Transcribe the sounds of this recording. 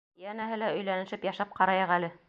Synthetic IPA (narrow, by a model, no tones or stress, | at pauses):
jænæɦɘlæɵ̆jlænɘ̆ʃɘpjɑʃɑp̚qɑɾɑjɤʁælɘ